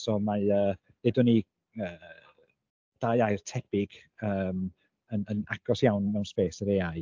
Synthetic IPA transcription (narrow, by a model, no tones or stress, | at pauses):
sɔmaəː | nɪdʊni | əː | d̥ajajrtʰɛb̥ɪɡ̥ | əːm | ənənaɡ̥ɔsjawnmɛwnspeːsəɾeaj